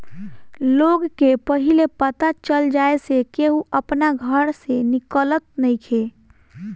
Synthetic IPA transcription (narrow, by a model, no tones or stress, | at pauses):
loːɡkepəɦilepət̪at͡ʃəld͡ʒaːesekeɦuʔəpnaɡʱəɾsenɪkələt̪̚nəɦĩkʰe